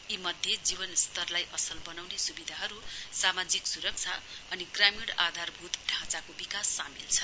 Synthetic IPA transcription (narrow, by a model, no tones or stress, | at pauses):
imʌd̪ʱjed͡zibʌnst̪ʌrlajʔʌsʌlbʌnawnesubid̪ʱaɦʌɾusamad͡ziksuɾʌk̚t͡sʰa̰ʌniɡramiɽad̪ʱarbʱut̪ɖʱãt͡sakobikasːamḭlt͡sʰʌ